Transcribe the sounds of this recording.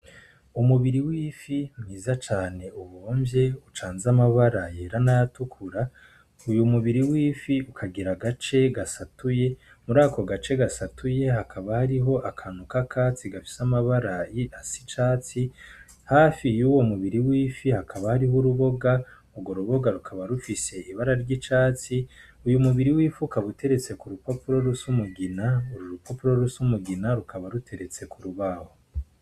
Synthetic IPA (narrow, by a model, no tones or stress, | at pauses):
umuβiɾiwiːfimŋiːzat͡ʃaːne̞uβoːmbje̞ut͡ʃaːnzamaβaɾajeːɾanajatukʰuɾa | ujumuβiɾiwiːfiukʰaɡiɾaɡat͡ʃe̞ɡasatuje̞ | muɾaːko̞ɡat͡ʃe̞ɡasatuje̞ɦakʰaβahaɾiɦo̞ʔakʰanukakʰat͡siɡafi̥samaβaɾajiasi̥t͡ʃaːt͡si | haːfijuwo̞muβiɾiwiːfihakʰaβahaɾiɦuɾuβo̞ɡa | uɡo̞ɾuβo̞ɡaɾukʰaβaɾufise̞ʔiβaɾaɾɟit͡ʃaːt͡si | ujumuβiɾiwiːfukaβute̞ɾe̞t͡se̞kuɾupopuɾo̞ɾusumuɡinauɾuɾupopuɾoɾusumuɡinaɾukʰaβaɾutʰe̞ɾe̞t͡se̞kuɾuβaho